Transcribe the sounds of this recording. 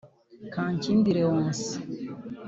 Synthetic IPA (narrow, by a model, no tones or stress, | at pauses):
kãːɲcinbiɾeõnsi̥